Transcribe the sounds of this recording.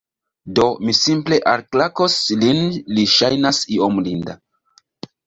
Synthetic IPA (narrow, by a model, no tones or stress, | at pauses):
do̞misimple̞ʔaɾklakoslinliʃajnasiomlinda